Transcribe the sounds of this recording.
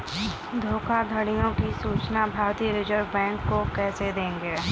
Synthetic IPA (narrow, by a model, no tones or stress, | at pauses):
d̪ʱoːkʰad̪ʱəɽɪjõkisuːt͡ʃnabʱaːɾt̪ijəɾɪd͡ʒəɾʋbɛ̃ːŋkːokɛːsed̪ẽːŋɡeː